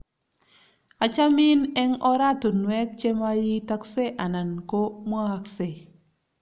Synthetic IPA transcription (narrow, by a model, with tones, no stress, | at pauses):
a˨t͡ʃa˦mɪ˦nɛ˦ŋɔ˦ɾa˦to˨nwɛ˦k̚t͡ʃe˦ma˦ji˦ta˦kse˦ʔa˨na˨nko˦mwa˦ha˨kse˨